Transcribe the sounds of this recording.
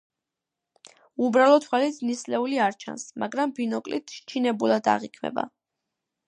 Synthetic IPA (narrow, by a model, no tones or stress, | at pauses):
ubɾalˠɔt̪ʰwɛlit̪ʰnislɛuliaɾt͡ʃʰa̰nsmaɡɾambinɔkʼlḭt̪ʰʃt͡ʃʰinɛbulˠad̪a̰ʁikʰmɛ̰ba̰